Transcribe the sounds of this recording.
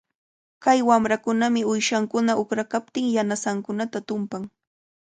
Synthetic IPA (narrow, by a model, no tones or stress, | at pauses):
kajwamɾakʊnamɪʊjʃaŋkʊnaʔʊkɾakap̚t̪ɪŋjanasaŋkʊnat̪at̪ʊmpaŋ